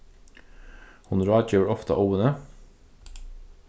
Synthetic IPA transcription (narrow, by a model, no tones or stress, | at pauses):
hʊnɾɑːc͡çøːɹɔft̪ɑ̰ʔoːənə